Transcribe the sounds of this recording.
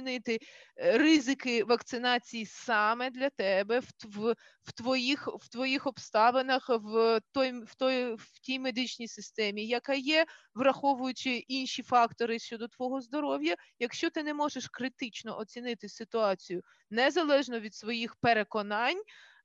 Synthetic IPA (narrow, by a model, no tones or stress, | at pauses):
nɪt̪ɪrɪzɪkɪʋɐkt̪sɪnɑt͡sʲijisɑmɛd̪lʲɐt̪ɛbɛwʋ | wt̪ʋɔjixʋ̥t̪ʋɔjixɔpst̪ɑʋenɐxʋt̪ɔjwt̪ɔjtʲijmed̪ɪt͡ʃʲnʲijsɪst̪ɛmʲijɐkɑjɛ | ʋrɐxɔʋʊjʊt͡ʃɪʔinʃifɑkt̪ɔɾɪʃt͡ʃɔd̪ɔt̪ʋɔɦɔzd̪ɔɾɔwjɐjɐkʃt͡ʃɔt̪ɪnɛmɔʒeʃkɾɪt̪ɪt͡ʃnɔ̰ʔɔt͡sʲinɪt̪ɪsɪt̪ʊɑt͡sʲijʊ | nɛzɐlˠɛʒnɔʋʲid̪sʋɔjixpeɾekɔnɑnʲ